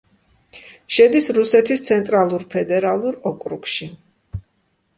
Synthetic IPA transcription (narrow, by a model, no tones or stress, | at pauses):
ʃɛd̪isɾusɛt̪ʰist̪sʰɛnt̪ʼɾalˠuɾpʰɛd̪ɛɾalˠuɾɔkʼɾukʃi